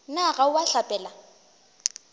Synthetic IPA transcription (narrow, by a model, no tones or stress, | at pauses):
naɣauwaɬapʼɛla